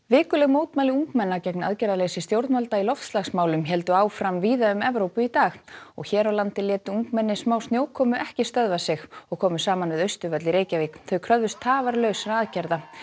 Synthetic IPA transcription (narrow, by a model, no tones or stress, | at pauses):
vɪːkʏlɛɣmoːwt̪maːlɪuŋkmɛnːacɛkna̰ðcɛɾðaleːjsɪst̪jowɾt̪nmalt̪ailɔft̪st̪laxsmaːwlʏmçɛlt̪ʏaːwfɾamviːðaʏmɛvɾowpʏit̪aːxɔ̰ɣçɛːɾawlant̪ɪljɛːt̪ʏuŋkmɛnːɪsmaːwst̪njowkʰɔːmʏʔɛhcɪst̪œðvasɪxɔɣkʰɔːmʏsaːmanvɪðœɥst̪ʏvœt̪lɪɾeːjcaviːkθœɥkʰɾœððʏst̪ʰaːvaɾlœɥsɾaaðcɛɾða